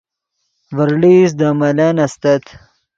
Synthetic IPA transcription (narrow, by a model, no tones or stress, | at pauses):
vɐɾlisd̪amɐlɐnɐst̪ɐt̪ʰ